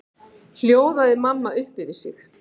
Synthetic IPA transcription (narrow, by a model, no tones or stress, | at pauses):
l̥joːwðaðɪmamːaʏhpɪvɪsɪ̰x